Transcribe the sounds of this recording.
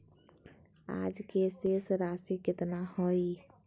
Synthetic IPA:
a̰d͡ʒkesesɾasiket̪nahɔj

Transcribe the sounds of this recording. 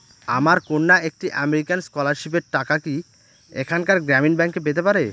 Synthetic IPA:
a̰maɾkonːaek̚ʈiʔameɾikanskɔlaɾʃipeɾʈakaki | ekʰankaɾɡɾɛminbɛŋkːep̬et̪epaɾe

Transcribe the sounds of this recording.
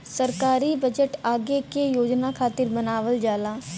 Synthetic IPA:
səɾkaːɾiːbəd͡ʒəʈaːɡekejoːd͡ʒnaːkʰaːt̪ɪɾbənaːʋəld͡ʒaːlaː

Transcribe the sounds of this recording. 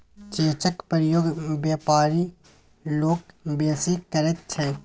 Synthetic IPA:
t͡ʃeːt͡ʃəkpəɾəjoːɡbjaːpaːɾi | loːɡ̚beːsikəɾet̪̚t͡ʃʰɛ̃ː

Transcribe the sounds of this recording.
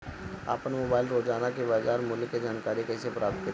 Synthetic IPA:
a̰ːpənmoːbaːɪlɾoːd͡ʒaːnakebaːd͡ʒaːɾmʊlked͡ʒaːnkaːɾikɛːsepɾaːp̚t̪̚kə

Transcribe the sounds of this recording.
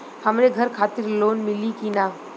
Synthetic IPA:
həmɾeɡʱɐɾkʰaːt̪ɪɾloːnmɪlikinaː

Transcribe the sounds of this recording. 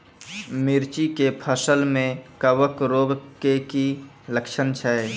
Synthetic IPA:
mɪɾt͡ʃikepʰəsəlmẽkəʋəkɾoːbkeki | ləkʃənt͡ʃʰəe

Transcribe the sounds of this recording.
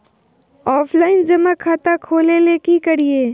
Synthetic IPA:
ɔːpʰlaːɪnd͡ʒɐmakʰaːt̪akʰoːleleːkikɐɾieː

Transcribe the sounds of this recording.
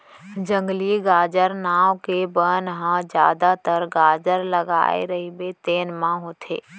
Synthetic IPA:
d͡ʒə̃ŋɡliɡaːd͡ʒəɾnaːwkebənɦãd͡ʒjaːd̪at̪əɾɡaːd͡ʒəɾləɡa̰ːḛɾəɦibet̪eːnmãɦoːt̪ʰḛː

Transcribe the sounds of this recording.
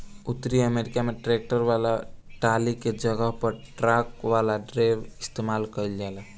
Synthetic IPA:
ʊt̪ːɾiəmeːɾɪkameʈɾeːk̚ʈəɾʋaːlaʈaːliked͡ʒɐɡəɦpəɾʈɾaːkʋaːlaɖɾeːʋɪst̪eːmaːlkɐild͡ʒaːla

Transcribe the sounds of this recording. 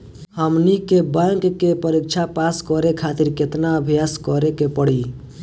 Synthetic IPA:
həmnikebãŋkːepəɾik̚t͡ʃʰapaskɔɾekʰat̪iɾket̪naəbʱijaskɔɾekepəɽi

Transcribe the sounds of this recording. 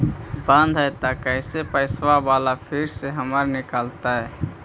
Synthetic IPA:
bə̃nd̪ʱɦɛt̪akəɪsepəɪswabaːlapʰiɾseɦəməɾnɪkəlt̪aɦɛː

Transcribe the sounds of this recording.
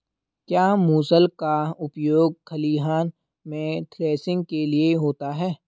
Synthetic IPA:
kjaːmuːsəlkaʊpjoːɡ̚kʰɐliːɦaːn | mẽt̪ʰɾeːsɪ̃ŋɡ̚kelieɦoːt̪aɦɛː

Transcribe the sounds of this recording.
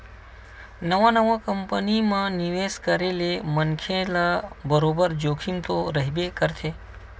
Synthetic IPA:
nəʋãnəʋãkəmpənimãniʋeskəɾelemənkʰẽlabəɾobəɾd͡ʒoːkʰimt̪oɾəɦibekəɾt̪ʰe

